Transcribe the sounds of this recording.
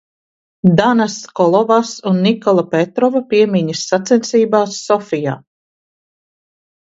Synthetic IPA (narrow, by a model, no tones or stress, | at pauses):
d̪anaskɔlˠɔvasunːikɔlˠapet̪ɾɔvapiɛmʲiɲisːat̪sɛnsiːbaːsːɔfija̰ː